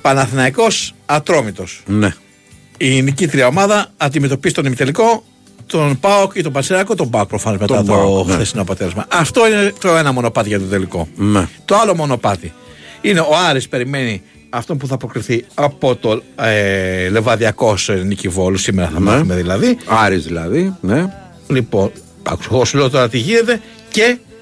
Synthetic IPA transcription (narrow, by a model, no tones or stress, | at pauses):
pɐnɐθinɐiko̞sɐt̪ɾo̞mit̪o̞sn | inicit̪ɾiɐo̞mɐðɐːnd̪ime̞t̪o̞pizi̥t̪o̞nimit̪e̞liko̞ | t̪o̞npɐokit̪o̞bɐsiɾɐkot̪o̞bɐok̚pɾofɐno̞zmet̪ɐt̪oxθesinoɐpot̪elezmɐʔɐft̪o̞inet̪o̞e̞nɐmo̞no̞pɐt̪iʝɐt̪ot̪eliko̞̰nt̪o̞ɐlo̞mo̞no̞pɐt̪i | ine̞oɐɾispe̞ɾime̞ni | ɐft̪o̞npuθɐpɾo̞kɾiθiɐpo̞t̪o̞ele̞vɐðiɐko̞snicivo̞losimeɾɐθɐmɐθumeðilɐðiɐɾizðilɐðine | lipo̞n | ɐ̰ku̥sɣosulot̪oɾɐt̪iʝine̞t̪e̞ | ce̞